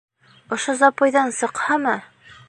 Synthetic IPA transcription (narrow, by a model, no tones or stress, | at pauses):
ŏʃozɑpojðɑnsɤ̆qhɑmɤ